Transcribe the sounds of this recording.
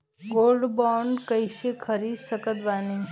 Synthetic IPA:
ɡolɖbɔɳɖkəjʃekʰəɾisəkət̪ʋani

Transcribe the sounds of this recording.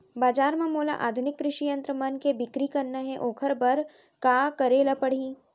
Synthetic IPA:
baːd͡ʒaːɾmɐ̃moːla̰ʔaːd̪ʱʊnɪkːɾɪʃijɐ̃nt̪ɾəmɐnkebɪkɾikɐɾnaɦɛ̃ʔoːkʰəɾbɐɾ | kaːkɐɾeːlapɐɽ̤iː

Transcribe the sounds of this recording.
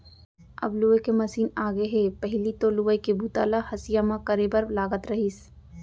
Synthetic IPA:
ɐ̰bluekemɐsiːnaːɡeɦepɛɦɪlit̪oluəkebʱuːt̪a̰ːlahɐsijamãkɐɾebəɾlaːɡət̪ɾɐɦiːs

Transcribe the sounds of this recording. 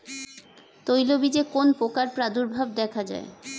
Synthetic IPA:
t̪ojlobid͡ʑekonpokaɾpɾad̪uɾbʱab̚d̪ɛkʰad͡ʑa̰e

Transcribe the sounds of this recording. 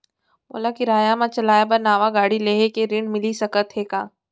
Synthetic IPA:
mo̰ːlakɪɾaːjamãt͡ʃɐlaːjabɐɾnaːʋaɡaːɽileːɦekeɾɪɳmɪlisɐkət̪ɦeːkãː

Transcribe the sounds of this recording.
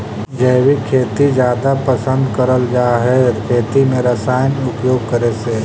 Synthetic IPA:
d͡ʒɛːwikʰeːt̪id͡ʒjaːd̪apəsə̃nd̪kəɾəld͡ʒaːɦekʰeːt̪imẽɾəsaːjənʊpjoːɡ̚kəɾese

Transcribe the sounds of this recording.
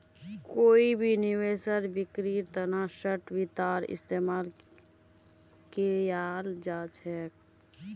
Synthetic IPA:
koːibʱiniwesəɾbɪkɾiɾt̪ənasəʈbit̪aɾɪ̰st̪emaːl | kejald͡ʒat͡ʃʰɛːk

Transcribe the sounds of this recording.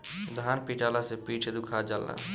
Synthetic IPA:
d̪ʱanpiʈalasepiʈʰed̪ukʰad͡ʒala̰

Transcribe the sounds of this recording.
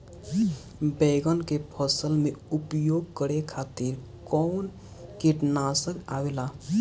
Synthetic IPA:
bɛɡənkepʰəsəlmeupjoɡ̚kəɾekʰat̪iɾ | kɔːn | kiʈnasəkawela

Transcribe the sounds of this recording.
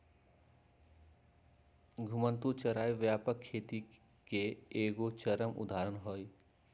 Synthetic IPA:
ɡʱʊmə̃nt̪ut͡ʃəɾaːjʋjaːpəkʰːeːt̪i | keeːɡot͡ʃəɾəmʊ̰d̪aːɾənɦoːi

